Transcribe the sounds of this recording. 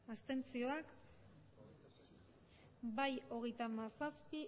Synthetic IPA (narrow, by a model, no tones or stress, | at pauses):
ast̪e̞nt͡sio̞ak | bajo̞ɣ̞e̞jt̪amasaspi